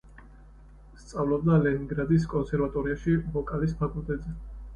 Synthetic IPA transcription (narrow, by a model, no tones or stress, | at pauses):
st̪sʼavlɔb̚d̪alɛniŋɡɾad̪is̬kʼɔnsɛɾvat̪ʼɔɾiaʃivɔkʼalispʰakʼulˠt̪ʼɛt̪zɛ